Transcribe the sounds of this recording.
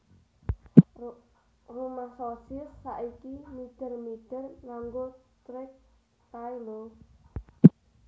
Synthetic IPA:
rumasɔsisːaʔikimiɖ̪̥ə̤rmiɖ̪̥ə̤rnaŋɡot̪ɾɪk̚ | t̪ajlo

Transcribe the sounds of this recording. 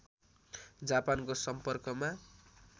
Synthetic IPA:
d͡zapankosʌmpʌrkʌma

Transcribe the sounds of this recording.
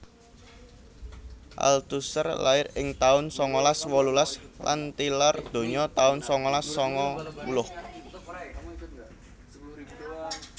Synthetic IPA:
ʔa̰lt̪usərla̰ɪɾɪŋt̪aʊnsɔŋɔlaswɔlulasla̰nt̪ilard̪̥o̤ɲɔt̪aʊnsɔŋɔlasːɔŋɔmulʊh

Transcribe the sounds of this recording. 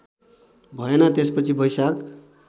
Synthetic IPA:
bʱʌenʌt̪espʌt͡sʰibʌjsak

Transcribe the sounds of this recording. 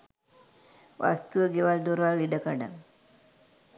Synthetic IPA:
ʋʔa̰st̪uʋəɡeʋald̪oɾʋalliɖəkaɖa̰n

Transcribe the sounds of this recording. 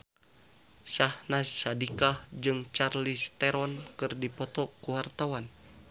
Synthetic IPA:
ʃahnasadikahd͡ʒɨŋt͡ʃarlist̪ɛɾɔnkɨrdipɔt̪ɔkuwart̪awan

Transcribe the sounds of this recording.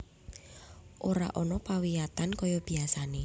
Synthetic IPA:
ʔoɾa̰ʔɔnɔpawijat̪ankɔjɔb̥iasane

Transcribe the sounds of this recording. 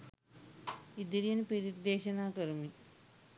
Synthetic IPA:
id̪iɾijɐnpiɾid̪eːɕɐnaːkɐɾmi

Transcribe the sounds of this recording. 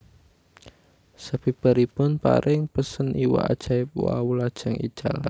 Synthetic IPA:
səb̥ib̥a̤ɾipʊnpa̰ɾʔɪŋpəsənʔiwa̰ʔad̥ʒ̥aipwawulad̥ʒ̥a̤ŋʔḭd̥ʒ̥ala

